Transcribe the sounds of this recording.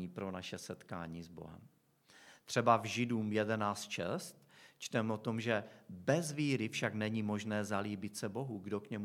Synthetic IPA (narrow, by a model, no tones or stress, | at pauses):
iːpɾo̞naʃɛsɛt̪ka̰ːɲiːzbo̞̰ɦɛ̰m | t̪r̝̥ɛbavʒɪduːmjɛdɛnaːt͡st̪ʃɛst̪t͡ʃt̪ɛmɛʔo̞t̪o̞mʒɛbɛzviːɾɪfʃaɡnɛɲiːmo̞ʒnɛːzaliːbɪt̪sɛbo̞ɦuɡdo̞kɲɛm